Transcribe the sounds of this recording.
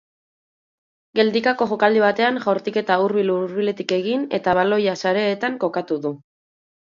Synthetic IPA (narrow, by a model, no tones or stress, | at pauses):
ɡe̞ld̪ikako̞ʝokald̪iβ̞at̪e̞aŋʝoɾt̪ike̞t̪auɾβiluɾβile̞t̪ike̞ɣ̞ine̞̰t̪aβalo̞jasaɾe̞ːt̪aŋko̞kat̪uðu